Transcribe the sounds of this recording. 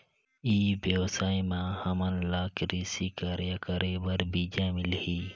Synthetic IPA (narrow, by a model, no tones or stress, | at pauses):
iːbewsaːimãhɐmənlaːkɾisikəɾjakəɾebəɾbid͡ʒãːmɪlhiː